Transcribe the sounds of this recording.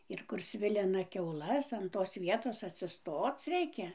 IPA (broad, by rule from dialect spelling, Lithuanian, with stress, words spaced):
ɪr kʊr ˈsʲʋʲɪlʲɪnɐ kʲɛʊˈlˠɐs ɐn toːs ˈʋʲiɛtoːs ɐtʲsʲɪˈstoːt͡s ˈrʲɛɪkʲɛ